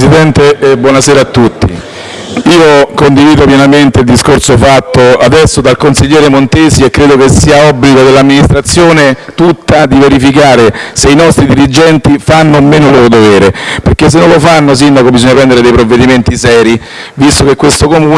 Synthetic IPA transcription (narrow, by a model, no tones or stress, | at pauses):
sid̪ɛnt̪ebwɔnasɛːɾaːt̪ːut̪ːi | iːokond̪iviːd̪opjɛnament̪eild̪iskorsofat̪ːoad̪ɛsːod̪alkonsiʎːɛːɾemont̪eːsiekːɾeːd̪okesːiːaɔbliɡod̪elːamːinist̪ɾat̪sːjoːnet̪ut̪ːad̪iveɾifikaːɾeseinɔst̪ɾid̪iɾid͡ʒɛnt̪ifanːomːeːnoloːɾod̪ovɛːɾeperk̟es̬ːenõnlofanːos̬ind̪akobizoɲːapɾɛnd̪eɾed̪ejpɾovːed̪iment̪isɛːɾi | vist̪okekːwest̪okomuː